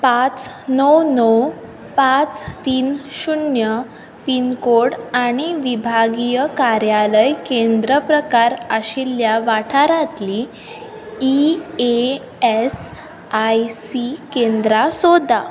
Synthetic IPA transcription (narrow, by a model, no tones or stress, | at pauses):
pãt͡s | nəwnəw | pãt͡st̪iːnɕunjə | pinkoɽaɽ̃iʋibʱaɡijəkaɾjaləjkend̪ɾəpɾəkaɾəɕilːjaʋaʈʰaɾat̪li | ie | es | ajsikend̪ɾasod̪ʱa